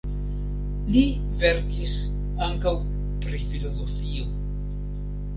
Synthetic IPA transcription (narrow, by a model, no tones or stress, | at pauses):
li | veɾkis | aŋkaw | pɾifilo̞zo̞fio